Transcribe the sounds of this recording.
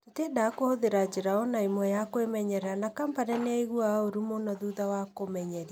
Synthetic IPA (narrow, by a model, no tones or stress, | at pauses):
tetedakohoðeɾad͡ʑeɾaɔnaimwɛjakwemɛɲɛɾanakampaɾɛneaiɣuaoɾumonɔðuðawakomɛɲɛɾia